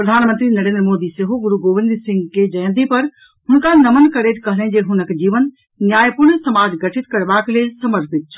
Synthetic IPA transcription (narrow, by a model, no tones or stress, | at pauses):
pɾəd̪ʱaːnmənt̪ɾinəɾeːnd̪ɾmoːd̪iseɦoɡuɾuɡoːʋind̪ɾsɪ̃ŋɡked͡ʒəj̃nd̪ipɐɾ | ɦʊnkanɐmənkəɾet̪kəɦlɛ̃d͡ʒeɦʊnəkd͡ʒiːʋən | njaːjpʊɾɳsəmaːd͡ʒɡəʈʰɪt̪kɐɾbaklesəməɾpʰɪt̪̚t͡ʃʰ